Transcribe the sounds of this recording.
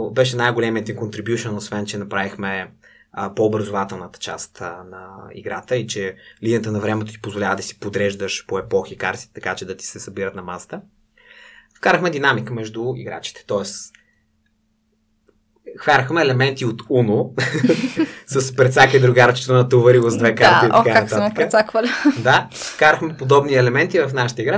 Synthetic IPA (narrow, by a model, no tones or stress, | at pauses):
bɛʃɛnajɡolɛmiəd̪iŋkont̪ɾibjuʃənosvɛnt͡ʃɛnɐpɾavixmɛ | poːbɾɐzʊvat̪ɛlˠnət̪ə̥t͡ʃa̰st̪nɐḭɡɾat̪əit͡ʃɛliniət̪ənɐvɾɛmɛt̪ot̪i̥pozvolʲavəd̪ɐsi̥pod̪ɾɛʒd̪əʃpoɛpɔxikaɾsi̥t̪t̪ɐkat͡ʃɛd̪ɐt̪i̥sɛsɐbiɾət̪nɐmasə̥t̪ə | fkaɾəxmɛd̪inamikəmɛʒd̪ʊḭɡɾa̰t͡ʃi̥t̪ɛ̥t̪ɔɛs | xvaɾəxmɛːlɛmɛnt̪iot̪uno | səspɾɛt̪sakəid̪ɾʊɡaɾt͡ʃi̥t̪onɐt̪ovɐɾivozd̪vɛkaɾt̪ikajanɐaakɾɛəsakvəlʲd̪afkaɾəxmɛpod̪ɔbniɛlɛmɛnt̪ivɐfnaʃə̥t̪əiɡɾa